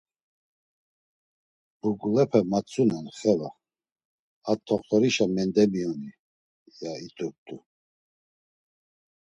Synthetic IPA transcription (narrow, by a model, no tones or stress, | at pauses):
b̥uɡulɛpʰɛmat͡sʼunɛnχɛla | at̪ʰːɔχt̪ʰɔɾiʃamɛnd̪ɛmiɔni | jait̪ʰʼup̚t̪ʰʼu